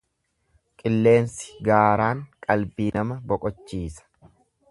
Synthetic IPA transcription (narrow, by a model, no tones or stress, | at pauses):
kʼɪlːe̞ːnsɪ̥ɡaːɾaːŋkʼɐlbiːnɐmɐbɔkʼɔt͡ʃːiːsɐ̥